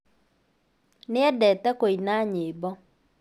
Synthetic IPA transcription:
nɪɛdɛtɛkoinaɲeːbɔ

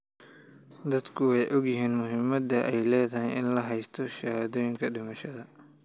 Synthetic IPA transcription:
d̪ɐd̪kʰʊwɛjʔɔɡjɪɦiːnmʊɦɪmɐd̪ɐʔɛjlɛːðɐɦɛjɪnlɐɦɛjst̪ʰɔʃɐhaðɔːjɪŋkʰɐɖɪmɐʃɐðɐ

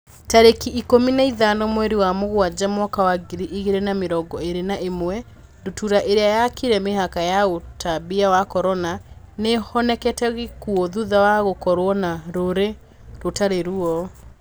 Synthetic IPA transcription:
taɾekiʔikominaiðanɔmwɛɾiwamoɣwad͡ʑamwɔkawaɡiɾiʔiɣeɾɛnameɾɔɡɔeɾenaʔemwɛ | ndotuɾaʔeɾeajakiɾɛmeɦakajaotaβiawakɔɾɔnanehɔnɛkɛtɛɣikuɔðuðawaɣokɔɾwɔnaɾoɾe | ɾotaɾeɾuɔ

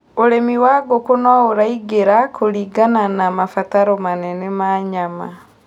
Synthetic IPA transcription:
oɾemiwaɡokonɔoɾaiɡeɾakoɾiɡananamafataɾɔmanɛnɛmaːɲama

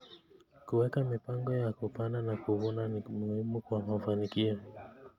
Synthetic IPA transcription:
kuwɛkamipaŋɡɔjakupananakuɔnamuhimukwamafanikiɔ

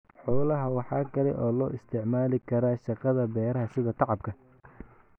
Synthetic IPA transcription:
ħɔːlɐɦɐwɑħɑːkʰɐlɛ̰ʔɔːlɔːʔɪst̪ʰɪʕmaːlɪkʰɐɾaːʃɑqɑðɐbɛːɾɐɦɐsɪðɐt̪ʰɑʕɑb̚kʰɐ

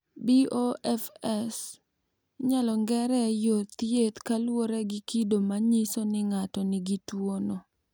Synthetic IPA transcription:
bioʔɛfɛs | ɲalɔŋɡɛɾɛjot̪jet̪kalwoɾɛɡɪkidomaɲɪsonɪŋatɔnɪɡitwono

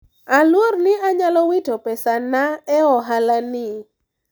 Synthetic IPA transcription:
alwornɪaɲalɔwɪtopɛsanaɛɔɦalanɪ

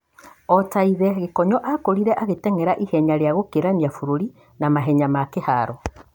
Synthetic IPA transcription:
ɔtaiðɛɣekɔɲɔʔakoɾiɾɛʔaɣetɛŋɛɾaʔihɛɲaɾeaɣokeɾaniafuɾoɾi | namaɦɛɲamakehaɾɔ

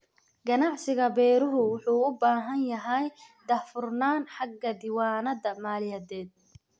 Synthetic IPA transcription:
ɡɐnɑʕsɪɣɐbɛːɾʊɾʊwʊħuːʊbaːɦɐnjɐɦɛjd̪ɐfʊrnaːnħɑɡːɐd̪ɪwaːnɐðɐmaːlɪjɐːðɛːd̪̚

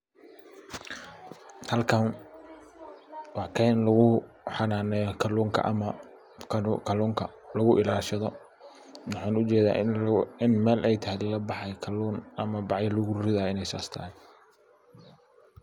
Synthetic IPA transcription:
hɐlkʰɐn | wɑħkʰɛːnlɐɣʊ | ħɑnaːnɛjɔkʰɐluːŋkʰɐ̰ʔmɐ | kʰɐluːŋkʰɐlɐɣʊʔɪlaːlʃɐðɔ | wɑħɑːnʊt͡ʃɛːða̰ːɪnmɛːlʔɛjt̪ʰɐɦɛllɐbɑħɑjkʰɐuːnɐmɐbɑʕjɐlʊɣʊɾrɪðaːɪnɛjsa̰ːst̪ʰɐ̰ːhɛ

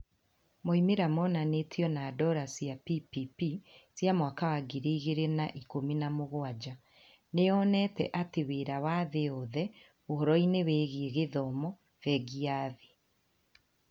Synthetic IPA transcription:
moimeɾamɔnanetʰiɔnaːdɔɾasjapipipisjamwakawaɡiɾeiɣeɾenaʔikominamoɣwad͡ʑa | neɔnɛtɛ̰ʔateβeɾawaðeɔðɛ | ohɔɾɔineβeːɣeeɣeðɔmɔ | vɛɡiaðe

